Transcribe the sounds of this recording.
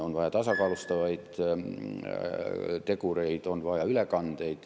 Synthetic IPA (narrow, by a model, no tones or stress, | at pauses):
o̞nvɑjɑt̪ɑsɑkɑːlust̪ɑvɑjd̪̥ | t̪e̞kuɾe̞jd̪̥o̞nvɑjɑylekɑnd̪e̞jd̪̥